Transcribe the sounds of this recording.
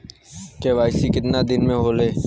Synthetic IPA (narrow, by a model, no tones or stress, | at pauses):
keːʋaːɪsiːkɪt̪naːd̪ɪnmẽːɦoːleː